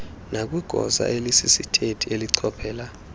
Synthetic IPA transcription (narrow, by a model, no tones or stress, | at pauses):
nak̬ʼwiɡ̥ʱɔza̰ʔelisisitʰetʰieliǀʰɔb̥ʰʱɛːla